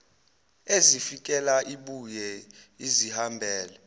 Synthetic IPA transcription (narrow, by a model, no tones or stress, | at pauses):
ezifik̬ʼɛlaʔiɓujɛizihambʱɛːlɛ